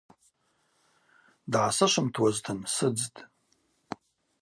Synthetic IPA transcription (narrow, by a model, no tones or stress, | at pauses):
dʕasɨʂʷɨmtʰwaztʰɨnsɨd͡ztʼ